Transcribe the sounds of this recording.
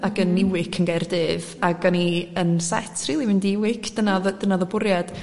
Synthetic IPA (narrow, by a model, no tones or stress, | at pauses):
aɡənːɪwɪkʰənɡɛrdɪvaɡaniənsɛ̰tʰr̥iːlˠimɪndiɪwɪkʰd̥ənaðdənaðɔbʊɾjad̥